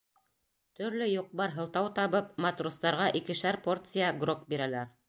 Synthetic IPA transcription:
t̪ɵ̆ɾlɵjoq̚bɑɾɦɤ̆lˠt̪ɑwt̪ɑβɤp̚mɑt̪rust̪ɑɾʁɑʔikɘʃæɾpo̞rt̪sɨjaɡrok̚biɾælæɾ

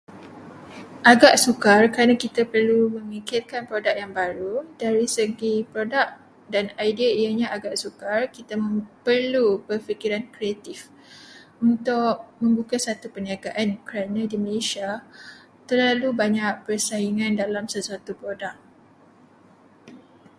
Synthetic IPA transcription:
ʔaɡaʔsukarkəɾanãkit̪apərlumə̃mikɪrkanpɾodak̚jaŋbaɾudaɾisəɡipɾodak̚ | danajdiaiəɲãaɡaʔsukarkit̪amə̃pərlubərfikiɾankɾiat̪if | unt̪ʊʔ̚mə̃mbukasat̪upəniaɡaʔankəɾanãdiməlesia | t̪ərlalubaɲaʔ̚pərsaiŋãndalamsəsuat̪upɾodak̚

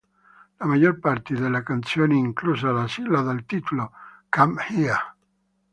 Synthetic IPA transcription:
lamajorpart̪ed̪elːakant̪sjoːneiŋkluzalasilad̪alt̪it̪ulokamhia

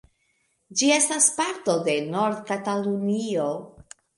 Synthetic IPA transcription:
d͡ʒie̞staspaɾto̞de̞no̞ɾd̪katalunio̞

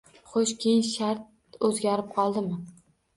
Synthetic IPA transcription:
χoʃkʲʰejɪnʃaɾt̪̚ | ɵzɡʲaɾɪp̚qʰɒlˠd̪ɪmɪ

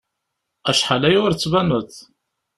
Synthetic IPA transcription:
æʃħalæjʊɾt͡sːvænəθ

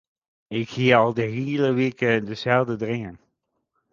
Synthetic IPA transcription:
ɪkxiːɑlˠdəɦiːləʋeːkədəzɛlˠdədrɪŋən

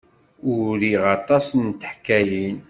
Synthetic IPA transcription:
ʊɾiʁɑt̪ˤɑsnt̪əħkːæjin

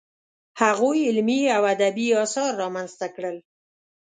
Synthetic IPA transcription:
haɣojɪlmiawad̪abiɑsɑɾːɑmanzt̪akɽəl

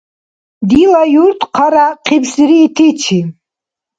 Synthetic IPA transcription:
d̪ilajuɾt̪ʰqʰaɾaqʰibsiɾiːt̪ʰit͡ʃʰi

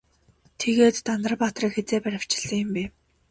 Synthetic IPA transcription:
t̪ʰeɣeːt̪ːand̪ə̆r̆pat̪riːkxet͡seːpæɾʲɪ̆w̥t͡ɕɪ̥̆ɮːə̆ŋjʊ̆mpæː

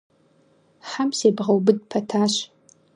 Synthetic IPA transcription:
ħamseːbʁɐwbɨd̚pʰɐtʰaːɕ

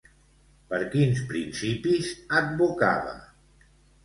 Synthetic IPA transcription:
pəɾkinspɾinsipizəd̪̚buka̰βə̰

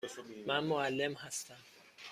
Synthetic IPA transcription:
mænmoælːe̞mhæst̪æm

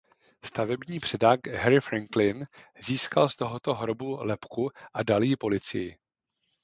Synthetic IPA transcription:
st̪avɛbɲiːpr̥ɛdaɡɦɛɾɪfɾaŋklɪnziːskalst̪o̞ɦot̪o̞ɦɾobulɛpkuʔadaljɪpo̞lɪt͡sɪ̰jɪ

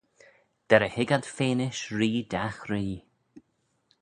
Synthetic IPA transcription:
d̪̥ɛɾəhɪɡad̪̥feːnɪʃɹiːd̪axɾiː

